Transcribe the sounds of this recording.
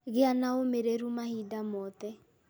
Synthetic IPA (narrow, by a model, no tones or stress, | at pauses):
ɣɪanaomeɾeɾumahidamɔt̪ɛ